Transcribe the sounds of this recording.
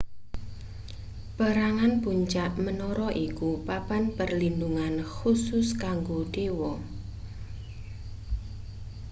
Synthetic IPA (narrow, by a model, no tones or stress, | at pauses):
b̥a̤ɾaŋanpuɲt͡ʃaʔmənɔɾɔʔikupab̥anpərlinduŋanxusʊskaŋɡoɖ̥ewɔ